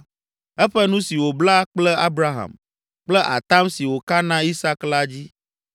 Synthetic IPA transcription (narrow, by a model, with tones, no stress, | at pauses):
ɛ˦ɸɛ˦nũ˦si˨wo˨bla˦k͡plɛ˦a˦bɾa˦ɦa̰˨m | k͡plɛ˦ʔa̰˨t̪a˦msi˨wo˨ka˦nã˦i˦sa˦kla˦d͡ʑi˦